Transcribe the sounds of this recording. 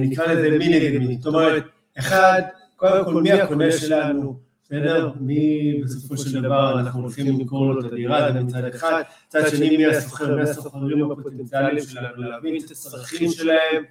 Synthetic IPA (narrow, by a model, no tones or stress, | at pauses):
nikʁaleze̞mineɡaminzot̪o̞me̞ʁet̪ | eχad̪ | ko̞ld̪emko̞lmiako̞ne̞ʃe̞lanu | sedeʁmibe̞so̞fo̞ʃe̞ld̪avaʁanaχnuolχimlizko̞ʁlot̪ad̪iʁazemit͡sad̪eχad̪ | it͡sad̪ʃenimiaso̞χeʁmiaso̞xaʁimhapot̪ent͡sialiimʃelanulamimtat̪asʁaχimʃe̞lahe̞m